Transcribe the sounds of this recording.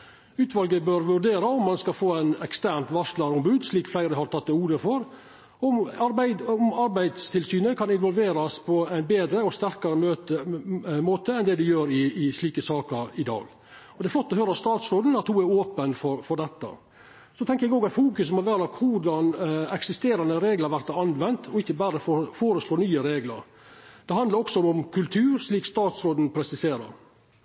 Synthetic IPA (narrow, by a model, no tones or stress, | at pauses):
ʉːt̪ʋɑlɡəbœɾʋʉɾɖ̪eːɾɑɔmːɑnskɑfoːæɪnɛkst̪æːɾɳt̪ʋɑʂlɑɾʊmbʉːd̪sliːkflæɪɾəɪhɑɾt̪ʰɑt̪ːɛuːd̪əfɔɾ | ɔmɑɾbæɪɔmɑɾbæɪd̪st̪ʰɪlsyːnəkʰɑnɪnʋɔlʋeːɾɑspʰɔæɪnbeːd̪ɾəɔst̪æɾkɑɾəmøːt̪əmoːt̪əɛnd̪ɛd̪ɪjøːɾɪːsliːkəsɑːkəɾɪd̪ɑ̰ːɡ | ɔd̪ɛɾflɔt̪ːɔɦøːɾəɑst̪ɑːt̪sɾoːd̪n̩ɑt̪huːæɾoːpənfɔɾfɔɖɛt̪ːə̰ | sɔt̪ʰɛŋkəɾɛɡoːɡɑt̪fuːkʉsmɔʋæːɾlɑkːʋʊɖɑnɛksɪst̪eːɾɑnəɾeːɡləɾʋæɾt̪ɑnʋɛnt̪ʰɔɪçːəbæːɾəffoːɾəsloːnyːəɾeːɡlə̰ɾ | d̪̥ɛhɑnd̪ɑɾɔksɔɔmkʰʉlt̪ʰʉːɾʂliːkst̪ɑːt̪sɾoːd̪n̩pʰɾɛsɪseːɾə̰ɾ